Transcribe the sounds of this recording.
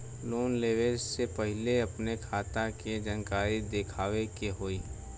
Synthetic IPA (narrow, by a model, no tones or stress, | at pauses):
loːnleːʋelssepɐɦɪleɐpnekʰaːt̪aked͡ʒənkaːɾid̪ekʰaːʋekeɦoːiː